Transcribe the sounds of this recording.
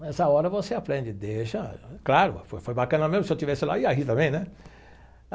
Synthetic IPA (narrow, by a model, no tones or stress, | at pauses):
ɛsɐɔɾɐvoseapɾẽd͡ʒɪd̪eʃɐklaɾʊ̰fojfojbakɐ̃nɐmẽzmʊsɪewt͡ʃivɛsɪla̰iaɦit̪ɐ̃mbẽj̃nɛ